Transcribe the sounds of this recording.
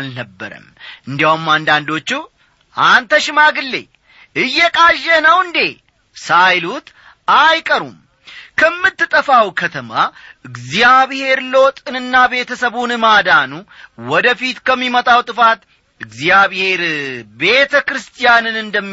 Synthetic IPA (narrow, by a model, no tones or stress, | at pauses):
lnəbːə̰ɾə̰mʔɨnd̪ijaumːand̪and̪o̞t͡ʃːu | ʔant̪əʃɪmaɡɨlːe̞̰ | ʔɨjːɛkʼaʒːɛnəwɨnd̪e̞ | sajlut̪ | ajkʼəɾṵm | kʰəmːɨt̪ːɨt̪ʼəfawkʰət̪ʰəma̰ɨɡzijaβhe̞ɾlo̞t̪ʼɨnɨnːabe̞t̪ʰəsəβunɨmad̪anuwɔd̪əfit̪kʰəmːimət̪ʼawt̪ʼɨfat̪ | ɨɡzijaβhe̞ɾbe̞t̪ʰəkɾɨst̪ʰijanɨnɨnd̪əmː